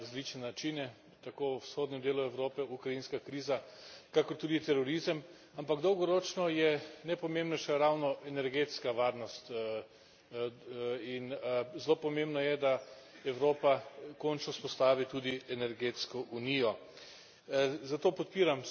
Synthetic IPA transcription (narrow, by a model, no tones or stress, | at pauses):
ɾazlit͡ʃnɛnat͡ʃinɛ | t̪akoːwsxoːd̪nʲɛmd̪eːluɛwɾoːpɛukɾajinskakɾiːzakakɔɾt̪uːd̪it̪ɛɾɔɾizəm | ampaɡd̪ɔwɡɔɾot͡ʃnɔjɛnɛpɔmẽmbnɛʃɛɾawnɔʔɛnɛɾɡeːt̪skaʋaːɾnɔst̪ | inzloːpɔmẽmbnɔjɛd̪a | ɛwɾoːpakɔnt͡ʃnɔspɔst̪aːʋit̪uːd̪iɛnɛɾɡeːt̪skɔʔuniːjɔ | zat̪oːpɔt̪̚piːɾam